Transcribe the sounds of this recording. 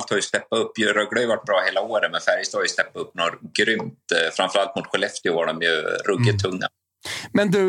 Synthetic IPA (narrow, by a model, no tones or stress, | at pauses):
lt̪haɾjst̪ɛpːaɵpːjɾœɡlɽœjʏvaʈ̚ːbɾɑːheːlaoːɾənmɛnfæɾjəst̪aːɾjʏst̪ɛpːaɵpːnoːɾɡɾʏmt̪fɾamfœɾalt̪mʊt̪ɧʊlɛft̪ɪɔvaɖɔmjɵ̰ɾɵɡɪt̪ʰːɵŋːa̰ | mɛnd̪ʉ